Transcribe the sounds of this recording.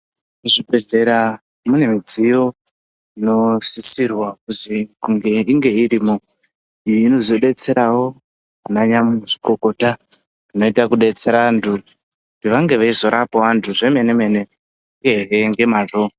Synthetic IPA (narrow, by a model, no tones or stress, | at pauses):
uʐibʱe̞ɮe̞ɾa | mune̞mid͡zijo̞ | ino̞sisirwakuzikuŋɡe̞iŋɡe̞iɾiːmo | ijiːno̞zo̞ɗe̞t͡se̞ɾawo̞ | anaɲamuʐiko̞ko̞ta | rino̞itakuɗe̞t͡se̞ɾaantʰu | kutiʋaŋɡe̞ʋaizo̞ɾapoʋantʰuʐe̞me̞neme̞ne̞ | ŋɡeɦeŋɡe̞maʐo